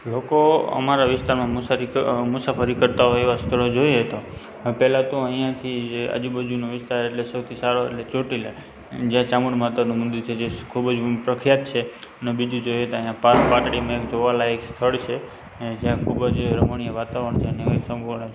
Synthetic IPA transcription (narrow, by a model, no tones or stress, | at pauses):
lokoə̰maɾaʋɪst̪aɾmãmusaɾimʊsafəɾikəɾt̪aɦɔjeʋast̪ʰəɭod͡ʒojeɦət̪o | pɛlat̪õəɦijãt̪ʰid͡ʒeə̰d͡ʒubəd͡ʒunoʋɪst̪aɾeʈlesəwt̪ʰisaɾoḛʈlet͡ʃoʈile | d͡ʒjãt͡ʃaməɳmat̪anũmʊnd̪iɾt͡ʃʰed͡ʒekʰubd͡ʒpɾəkʰɾijat̪t͡ʃʰenebid͡ʒũd͡ʒojeət̪oə̃ɦjãpaɾpaʈɽimekd͡ʒoʋalaekst̪ʰəɭt͡ʃʰe | d͡ʒjãkʰubəd͡ʒɾəməɳijəʋat̪aʋəɳt͡ʃʰeənekəsəmbʱuʋəɳet͡ʃʰe